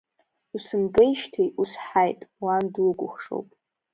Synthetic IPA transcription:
usɨmbejʃtʰijusħajtʼwandwuɡʷʼʊχʂo̰wpʼ

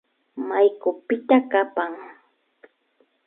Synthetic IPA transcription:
majkʊpɪt̪akapaŋ

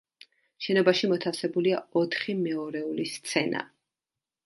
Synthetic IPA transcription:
ʃɛnɔbaʃimɔt̪ʰafsɛbuliaɔt̪ʰχimɛɔɾɛulist̪sʰɛna̰

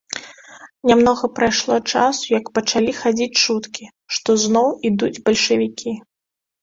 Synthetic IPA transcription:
nʲamnɔɣɐpɾajʂlˠɔt͡ʂasujɐkpɐt͡ʂalʲixad͡zʲit͡sʲt͡ʂut̪kʲi | ʂt̪ɔznɔwid̪ud͡zʲbɐlʲʂɨvʲikʲʰi

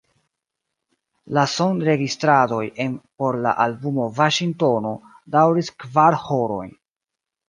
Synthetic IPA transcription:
lasonɾe̞ɡistɾado̞je̞npo̞ɾla̰ʔalbumo̞vaʃiŋto̞no̞ | dawɾiskvaɾho̞ɾo̞̰jn

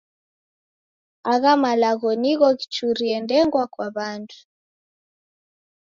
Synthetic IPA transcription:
aɣamalaɣɔniɣɔɣi̥t͡ʃuɾiɛndɛŋɡwakwaβandu̥

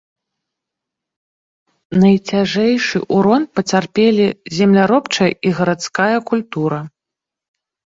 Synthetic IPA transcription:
nɐjt͡sʲaʐɛjʂɨʔuɾɔnpɐt͡sʲarpʲelʲizʲɛmlʲaɾɔpt͡ʂɐjɐiɣɐɾat̪skajɐkulʲt̪uɾɐ

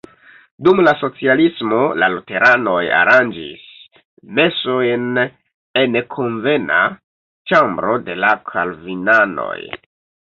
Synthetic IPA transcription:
dumlaso̞t͡sialismo̞la̰lute̞ɾano̞ja̰ɾand͡ʒḭs | me̞sojn | enekʰo̞nve̞na̰ | t͡ʃambɾo̞de̞lakʰa̰lvinano̞̰j

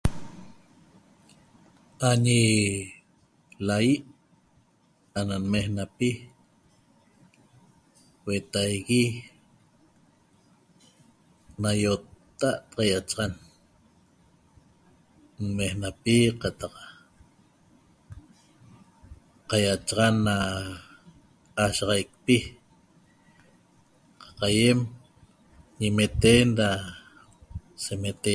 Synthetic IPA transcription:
aɲi | lajiʔ | ananmehnapi | wet̪ajɣi | najot̪ːaʔt̪qɑjat͡ʃɑʁan | nmehnapiqat̪ɑq | qajat͡ʃʁɑnːa | aʃɑʁɑjk̚pi | qɑ̥qajem | ɲimet̪enda | semet̪e

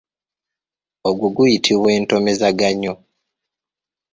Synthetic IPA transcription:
oɡwuɡujitʰiβwe̞ːnto̞me̞zaɡaɲo

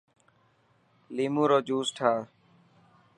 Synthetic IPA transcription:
liːmũːɾoːd͡ʒuːsʈʰaː

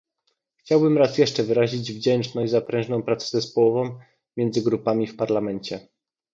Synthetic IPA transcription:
xt͡ɕawbɘmɾasjɛʂt͡ʂɛvɘɾaʑid͡ʑvd͡ʑɛnt͡ʂnɔzapɾɛ̃ʐnɔ̃w̃pɾat̪sɛ̥zɛspɔwɔvɔ̃w̃ | mʲjɛnd̪zɘɡɾupamʲifpaɾlamɛɲt͡ɕɛ

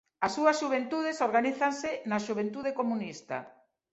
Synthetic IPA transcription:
ɐsːuɐsʃuβ̞ent̪uð̞esoɾɣaniθansɪnɐʃuβ̞ẽnt̪uðekomũnist̪a̰

